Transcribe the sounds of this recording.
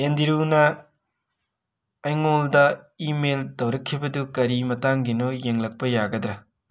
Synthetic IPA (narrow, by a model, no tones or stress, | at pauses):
endiɾunɐ | jŋoldɐimeltɐwɾɐkʰːibɐdukɐɾimɐtaŋɡinojeŋlɐk̚pɐjaɡɐdɾɐ